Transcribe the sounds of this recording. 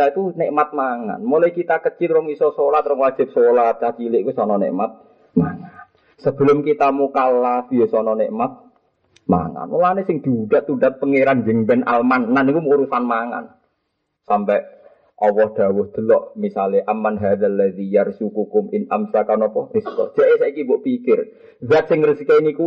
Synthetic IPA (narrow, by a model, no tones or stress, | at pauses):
ait̪uneʔmat̪̚maŋa̰nmolɔikit̪akət͡ʃɪlɾʊŋisɔsolat̪ɾʊŋwḁd͡ʒ̥ɪ̤p̚solat̪̚t͡ʃat͡ʃilɪʔkusɔnɔnḛʔmat̪̚ | maŋan | səb̥ə̤lʊmkit̪amukalafjosɔnɔneʔmat̪̚ | ma̰ŋa̰nolanesɪŋd̪̥idaʔt̪udat̪̚pəŋeɾand͡ʒəŋbɛnʔalmanːanikumuɾusanmaŋa̰n | sampɛʔ | ʔɔwɔhd̪̥a̤wʊhd̪̥əlɔʔmisalɪʔamanɦadəlːaðijarsukukʊmɪnʔamsakanɔpɔriskɔ̰̥ʒ̥aʔesaikibɔʔpikɪr | ɡat̪̚sɪŋrəsikainiku